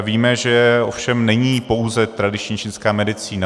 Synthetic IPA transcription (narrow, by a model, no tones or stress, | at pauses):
viːmɛʒɛo̞fʃɛmnɛɲiːpo̞wzɛt̪ɾadɪt͡ʃɲit͡ʃɪnskaːmɛdɪt͡siːna